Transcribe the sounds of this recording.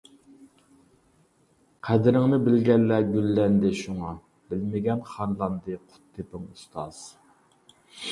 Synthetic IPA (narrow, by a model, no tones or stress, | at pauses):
qʰæd̪ɪɾɪŋnɪbɪlɡʲɛnːæɡʲylːɛnd̪ɪʃuŋɑ | b̥ɪlmɪɡʲɛnχɑnlˠɑnd̪ɨqʰʊ̥t̪ʰːepɪŋust̪ʰɑz̥